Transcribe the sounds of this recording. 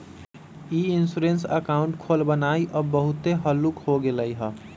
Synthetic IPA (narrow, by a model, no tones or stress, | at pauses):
iinsuɾensə̰kauɳʈkʰolbənaiʔəbbəɦut̪eɦəlːukhoɡeləjɦə